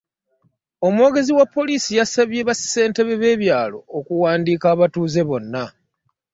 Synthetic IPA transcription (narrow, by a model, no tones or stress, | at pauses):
o̞mwo̞ːɡe̞ziwapːo̞liːsijasaβje̞βasse̞ːnte̞βe̞βe̞ːβjaːlo̞̰ːkuwaːndiːkaːβatuːze̞βo̞nːa